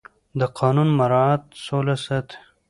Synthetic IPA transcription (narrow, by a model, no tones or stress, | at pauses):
d̪əqʰɑːnunmaɾɑat̪̚solasat̪